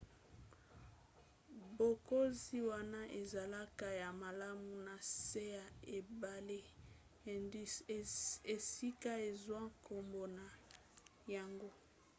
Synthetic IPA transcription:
bo˨ko˦zi˦wa˦na˦ʔe˨za˨la˦ka˨ja˨ma˨la˦mu˨na˨se˦ja˨e˨ba˨le˦˨˦ | e˨si˦ka˦e˨zwa˦ko˨mbo˨na˨ | ja˨ŋɡo˦

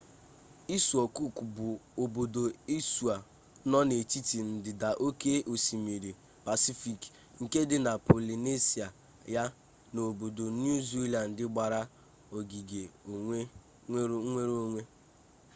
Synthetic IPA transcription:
i˦su˨ɔ˨ku˦˨ku˨bʊ˨o˨bo˨do˨i˦su˨a˨ | nɔ˦ne˨t͡ʃi˦ti˨n̩˨dɪ˨da˨ʔo˦ke˦ʔo˨si˨mi˨ɾi˨ | pa˨si˦fi˨k | ŋ̩˨ke˦dɪ˨na˨po˨li˨ne˦si˨a˨ | ja˦ | no˨bo˨do˨n˦u˦zi˦la˨n̩˨dɪ˦ɡ͡ba˨ɾa˦ | o˨ɡi˨ɡe˨o˨ŋʷe˦ | ŋʷe˦ɾo˦ŋʷe˦

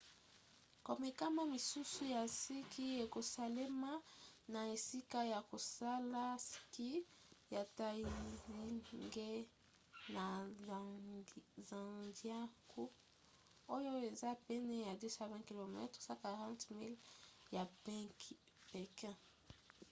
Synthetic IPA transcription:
ko˨mɛ˨ka˦ma˦mi˨su˦su˦ja˨si˦kʰi˦e˨ko˨sa˨le˦ma˦na˨e˨si˦ka˦ja˨ko˨sa˦la˦ski˦ja˨ta˨i˨zi˦ŋɡe˦ | na˨ | za˨dja˦kʰu˦ | o˦jo˦e˨za˦pɛ˦nɛ˦ja˨de˦sa˦vɛ̃˦ki˨lo˨mɛ̰˦tsa˦ka˨ʁã˦ntmi˦lja˨bɛ̃˦k | pe˨kɛ̃˦

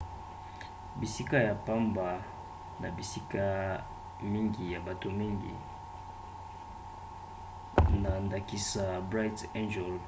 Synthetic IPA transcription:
bi˨si˦ka˦ja˨pa˦mba˨ | na̰˨bi˨si˦ka˦ | mi˦ŋɡi˨ja˨ba˨to˨mi˦ŋɡḭ˨ | na˨nda˨ki˨sa˨bʁa˦i˦te˦nd͡ʒɛ˨l

